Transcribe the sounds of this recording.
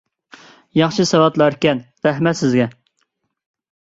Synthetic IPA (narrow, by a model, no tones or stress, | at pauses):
jɑχʃɨsɛwɑt̪lˠɑɾɪkʲɛnɾæɦmɛt̪sɪzɡʲɛ